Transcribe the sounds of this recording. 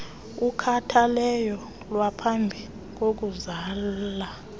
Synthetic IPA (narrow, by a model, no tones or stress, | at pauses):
ukʰatʰalɛjɔ | lwapʰambʱi | k̬ok̬uzaːlla